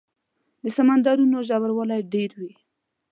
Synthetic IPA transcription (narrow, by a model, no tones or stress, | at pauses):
d̪əsamand̪ɑɾunoʒawaɾwəlajɖeɾwi